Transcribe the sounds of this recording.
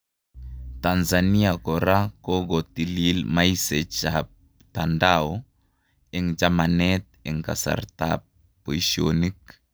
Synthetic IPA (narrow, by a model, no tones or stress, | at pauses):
t̪anzaniakɔɾakɔɡɔt̪ililmaisɛt͡ʃap | tandaɔ | ɛŋd͡ʒamanɛt̪̚ɛŋka̰sa̰rt̪a̰p̚ | pːoisiɔnik̚